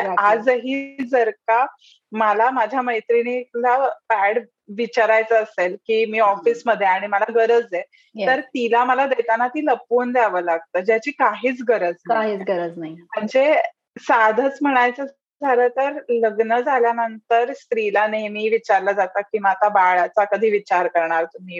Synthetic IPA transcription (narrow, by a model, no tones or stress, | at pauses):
aad͡zɦiːd͡zəɾka | məalamad͡ʑʱjaməjt̪ɾiniːklapæɽ | ʋit͡ɕaɾajt͡səːselkiːmiːɔfiːsməd̪ʱːjeaɽ̃iməlaɡəɾəd͡zje | jt̪əɾt̪ilaməlad̪əjt̪anat̪iːləpond̪jaʋəlaɡ̚t̪əːd͡ʑjat͡ɕiːkaɦiːt͡sɡəɾəd͡znaaɦiːt͡sɡəɾəd͡znaɦim̤əɳd͡ze | sad̪ʱət͡sm̤əɽ̃ajt͡sə | d͡zʱaləːt̪əɾləɡnəd͡zaljanənt̪əɾst̪ɾilanemiːʋit͡ɕaɾlad͡zat̪akiːmat̪abaɭat͡sakəd̪ʱiːʋit͡ɕaɾkəɾɳaɾt̪um̤iː